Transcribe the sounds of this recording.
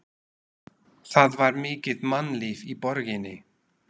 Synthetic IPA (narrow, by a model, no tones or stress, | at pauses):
θaðvaɾmɪːcɪðmanliːvipɔɾɣɪnɪ